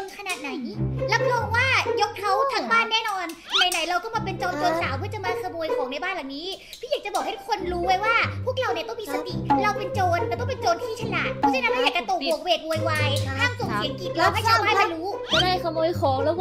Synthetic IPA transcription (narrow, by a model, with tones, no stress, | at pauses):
kʰa˧naː˨˩t̪̚na˨˦jɾa˦˥p̚lɔː˧ŋwaː˥˩jo˦˥k̚t̪ʰa˦˥wt̪ʰa˦˩˥ŋbaː˥˩nːɛː˥˩nɔː˧n˧naː˨˩jna˨˩˦jɾa˧wt̪ɔ˥˩ŋmaː˧pe˧nt͡ɕoː˧nt͡ɕoː˧nsaː˩˦wpʰɯ˥˩ət͡ɕa˨˩maː˧kʰːmoː˧jkʰɔː˩˦ŋna˧jbaː˥˩nla˨˩wniː˦˥ | pʰiː˥˩jaː˨˩t͡ɕa˨˩bɔː˨˩k̚ha˥˩t̪ʰkʰo˧nɾuː˦˥wa˦˥jwaː˥˩pʰu˥˩ək̚ɾa˧wni˧˩ət̪ɔ˥˩mi˧sa˧t̪i˨˩ɾa˧wpe˧nt͡ɕoː˧nt̪ɛː˨˩t̪ɔ˥˩pe˧nt͡ɕoː˧nkʰiː˥˩t͡ɕʰa˧laː˨˩t̪̚pʰɔ˧˥˩t͡ɕa˥˦na˦˥mha˥˩jaː˨˩kt͡ɕa˧t̪o˨˩k̚bu˨˩ək̚weː˨˩k̚woː˧˩jwaː˧jkʰaː˥˩mso˨˩si˨˦əŋki˨˩jɔː˨˧˩ha˥˩aː˧˦a˥˩ma˧jɾuː˦˥˧daː˥˩kʰa˧moː˧jkʰɔː˨˩˦ŋlɛː˦˥w